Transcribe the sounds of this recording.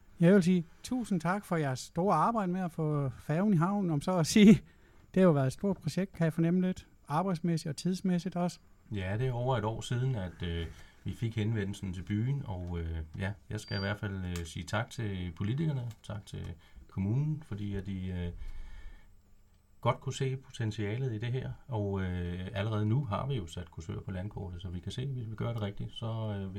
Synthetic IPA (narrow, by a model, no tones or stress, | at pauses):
jɑ̈ɪʋe̝ls̬iːt͡sʰṵːsn̩t͡sʰɑ̈ɡ̥fɒ̽jæɐsːd̥o̝ːɐɑ̈ːb̥ɑ̈ɪ̰d̥əmeæfɔ̰̽ːfɛːʊniɦɑ̈ʊ̰nɒ̽msɒ̽ːsiː | d̥e̝hæjoʋæɐðˠedsd̥o̝ɐ̰d̥̚pʰʁoɕeɡ̥̚d̥kʰæjafɒ̽nem̰̩le̝d̥ | ɑ̈ːb̥ɑ̈ɪd̥smesid̥ɒ̽t͡sʰið̞ˠsmesid̥ɒ̽sə | jæd̥e̝ɒʊɐe̝dɒ̰ːsiːð̞ˠn̩æd̥øʋife̝ɡ̥henʋen̰l̩sn̩t͡sʰe̝lb̥y̰ːnɒʊøjæjɑ̈ɪsɡ̥æiʋæɐ̰̥fæl̰øsiːt͡sʰɑ̈ɡ̥̚t͡sʰe̝lpʰo̝lit͡sʰiɡ̥ɐnət͡sʰɑ̈ɡ̥t͡sʰe̝lkʰo̝muːnn̩fɒ̽d̥ḭːæd̥iø | ɡ̥ɒ̽d̥̚kʰuse̝̰ːpʰo̝t͡sʰensiɛ̰ːlð̩ˠid̥e̝ɦɛɐ̰ɒ̽ʊøæləʁɛːð̞̩ˠnuɦɑ̈ʋijo̝sæd̥̚kʰusʰø̰ɐpʰɒ̽lænkʰɔ̰ːd̥ð̩ˠsɒ̽ʋikʰæse̝̰ːʋe̝sʋiɡ̥ɶɐɾ̥e̝ʁɛɡ̥̚d̥isɒ̽ø